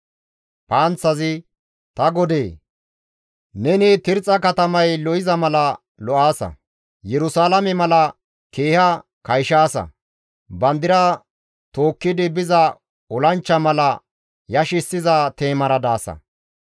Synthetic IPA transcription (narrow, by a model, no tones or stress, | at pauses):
paːnt͡sːɐzɪ | t̪ɐɡɔd̪eː | nɛnɪt̪ɪɾt͡sʼːɐkɐt̪ɐmɐjlɔɪzɐmɐlɐ | lɔʔaːsɐ̰ | jɛɾʊsaːlɐmɛmɐlɐ | keːhɐ | kɐjʃaːsɐ̰ | bɐnd̪ɪɾa | t̪o̞ːkːɪd̪ɪbɪzɐ | ɔlɐnt͡ʃːɐmɐlɐ | jɐʃɪsːɪzɐt̪e̞ːmɐɾɐd̪aːsɐ̰